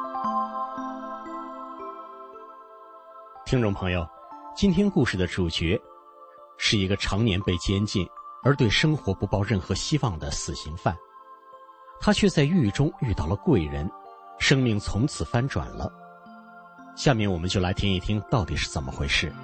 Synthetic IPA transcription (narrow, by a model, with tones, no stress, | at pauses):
t̪ʰi˥ŋʈ͡ʂʊ˥˩ŋpʰɤ˧˥ŋjo˨˧ʊ | t͡ɕi˥nt̪ʰjɛ˥nku˥˧ʂɻ̩˥˩d̪ə˩ʈ͡ʂu˨˩t͡ɕɥɛ˧˥ | ʂɻ̩˥˩i˧˥ɡə˧ʈ͡ʂʰɑ˧˥ŋnjɛ˧˥npe˥˩ɪt͡ɕjɛ˥nt͡ɕi˥˩nə˞˧˥t̪we˥˩ɪʂɤ˥ŋxwɔ˧˥pu˧˥pɑ˥˧ʊɻə˥˩nxɤ˧˥ɕi˥wɑ˥˩ŋd̪ə˩sɹ̩˨˩ɕi˧˥ŋfa˥˩n | t̪ʰa˥t͡ɕʰɥɛ˥˧t͡sa˥˧ɪy˥˩˨ʈ͡ʂʊ˥ŋy˥˧t̪ɑ˥˩ʊlə˩kwe˥˩ɪɻə˧˥n | ʂɤ˥ŋmi˥˩ŋt͡sʰʊ˧˥ŋt͡sʰɹ̩˨˩fa˥nʈ͡ʂwa̰˨˩nlə̰˦ | ɕja˥˧mjɛ˥˩nwɔ˨˩mə˦nt͡ɕjo˥˩ʊla˧˥ɪt̪ʰji˥ni˥˩t̪ʰi˥ŋt̪ɑ˥˩ʊt̪i˨˩ʂɻ̩˥˩t͡sə˨˩nmə̰˦xwe˥˧ɪʂɻ̩˥˩